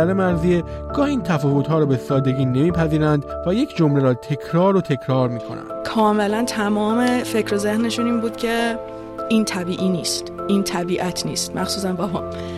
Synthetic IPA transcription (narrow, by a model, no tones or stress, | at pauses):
ælemæɾzieɡ̥ɒːhiːnt̪ʰæfɒːvot̪ɦɒːɾɔːbesɒːd̪e̞ɡiːne̞miːpʰæziːɾænd̪væjecʰd͡ʒomleɾɒːt̪ʰe̞kʰɾɒːɾot̪ʰe̞kʰɾɒːɾmiːkʰo̞̰næ̰nd̪kʰɒːme̞lænt̪ʰæmɒːme̞fe̞cʰɾo̞ze̞hneʃuniːnbuːd̪̥cʰe̞ | iːnt̪ʰæbiːʔiːniːst̪ʔiːnt̪ʰæbiːʔæt̪ʰnḭːst̪mʔæxsuːs̬ænbɒmɒːn